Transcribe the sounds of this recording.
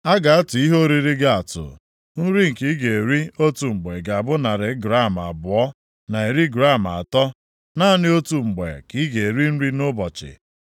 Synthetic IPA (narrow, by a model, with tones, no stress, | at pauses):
a˦ɡa˨a˦tʊ˨i˦ɦo˦ɾi˦ɾi˦ɡa˦a˨tʊ̰˨ | n̩˦ɾi˦ŋ̩˨ki˦ɡe˨ɾi˦o˦tu˨ŋ͡m̩˨ɡ͡be˨ɡa˨a˨bʊ˦na˨ɾɪ˨˦ɡɾa˦˨m˨a̰˨bʊ˨ɔ˦ | na˨e˨ɾi˦ɡɾa˦˨m˨a̰˨tɔ˦ | na˦nɪ˦o˦tu˨ŋ͡m̩˨ɡ͡bḛ˨ki˦ɡe˨e˨ɾi˦n̩˦ɾi˦nʊ˦bɔ˨t͡ʃɪ̰˨